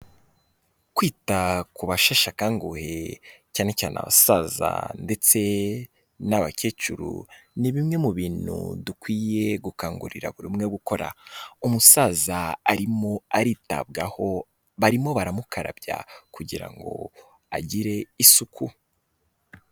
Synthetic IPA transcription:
kwiːtakuβaʃaʃakaːŋɡuhecaːne̞caːna̰βa̰saza̰nde̞t͡se̞ | naβaceːt͡ʃuɾṵniβimŋe̞muβiːn̥hṵdukwiːje̞ɡukaːŋɡṵɾḭɾa̰βuɾimŋe̞ɡuko̞ɾa̰umusaːzaːɾimoaɾiːta̰bɡaho̞ | βaɾimo̞βaɾamukʰaɾa̰bɟa̰kuɟiɾa̰ŋɡo̞̰ | a̰ɟiɾe̞isukʰu

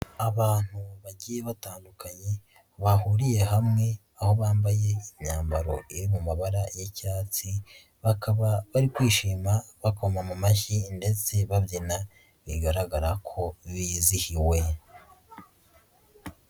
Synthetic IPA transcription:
aβaːn̥huβaɟiːjeβataːndukʰaɲe̞ | βahuɾije̞ɦamŋe̞ | aho̞βaːmbaje̞iɲaːmbaɾo̞̰iɾimumaβaɾajecaːt͡si | βakaβaβaɾikwiːʃiːmaβakomamumaçinde̞t͡se̞βaβjina | βiɡaɾaɡaɾakʰo̞βizihiwe̞

